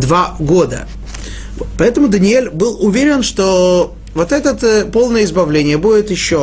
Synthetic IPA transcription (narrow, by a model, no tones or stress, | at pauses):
d̪vaɡo̞d̪ə̰ | pɐɛt̪əmʊd̪ənʲɪelʲbɨlˠʊvʲeɾʲɪnʂt̪o | vo̞t̪ɛt̪ət̪po̞lˠnəjəɪzbɐvlʲenʲɪjəbudʲɪt̪jɪɕːo